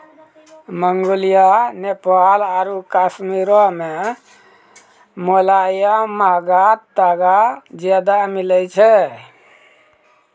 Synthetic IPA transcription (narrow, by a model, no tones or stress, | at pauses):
məŋɡolijanepalaɾukasmiɾɔme | molajamaɡat̪ːaɡad͡ʒad̪amilɛt͡ʃʰɛ